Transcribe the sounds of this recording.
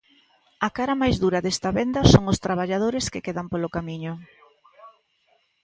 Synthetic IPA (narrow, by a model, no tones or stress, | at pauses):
ɐkaɾɐmajzðuɾɐðest̪ɐβend̪ɐsoŋʊst̪ɾaβ̞aʎað̞oɾeskekeðɐmpolʊkamiɲʊ